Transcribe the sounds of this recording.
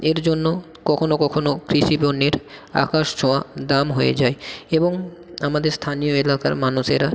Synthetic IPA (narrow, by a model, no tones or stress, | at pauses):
eɾd͡ʑonːo | kɔkʰonokɔkʰonokɾiʃibonːeɾa̰kaʃt͡ɕʰɔad̪amɦojḛd͡ʑaeeboŋamad̪eɾst̪ʰanijoelaka̰ɾmanuʃeɾa